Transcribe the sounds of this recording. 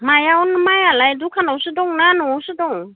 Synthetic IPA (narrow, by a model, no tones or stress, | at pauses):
majawnmajalajdukʰanawsɯdɔŋnanɔawsɯdɔŋ